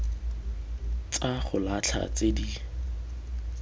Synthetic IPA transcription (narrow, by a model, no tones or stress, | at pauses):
t͡sʼaχʊlat͡ɬʰa̰t͡sedi